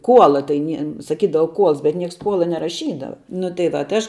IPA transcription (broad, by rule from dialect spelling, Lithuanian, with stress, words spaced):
ˈkuɔlˠɐ tɐɪ ˈnʲiɛ sɐˈkʲiːdɐʋɐ ˈkuɔlˠs bʲɛt ˈnʲiɛks ˈkuɔlˠɐ nʲɛrɐˈʃʲiːdɐʋɐ nʊ tɐɪ ˈʋɐ tɐɪ ˈɐʃ